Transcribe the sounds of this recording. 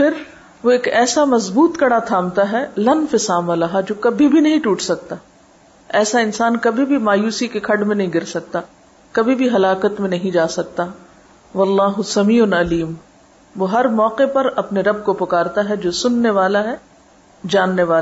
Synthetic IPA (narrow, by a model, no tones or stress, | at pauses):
fʰɪɾ | ʋoeːkɛːsamɐzbuːt̪kɐɽat̪ʰãːmt̪aɦɛlɐnfesaːmalɐɦad͡ʒoːkɐbʱibʱinɐɦĩʈuːʈsɐk̚t̪aː | ɛːsaɪnsaːnkɐbʱibʱimaːjuːsikekʰɐɖmẽnɐɦĩɡɪɾsɐk̚t̪a | kɐbʱibʱiɦɐlaːkət̪mẽnɐɦĩd͡ʒaːsɐk̚t̪a | ʋɐlːaːɦʊsɐmiːʊnɐliːm | ʋoːɦɐɾmɔːqepɐɾɐpneɾɐb̚kopʊkaːɾt̪aɦɛd͡ʒoːsʊnːeʋaːlaɦɛ | d͡ʒaːnːeʋaːla